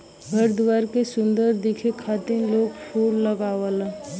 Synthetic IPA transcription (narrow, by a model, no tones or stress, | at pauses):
ɡəɾd̪ʋaːɾkesʊ̃nd̪əɾd̪ɪkʰekʰaːt̪inloːɡʃoːɾləɡaːʋələ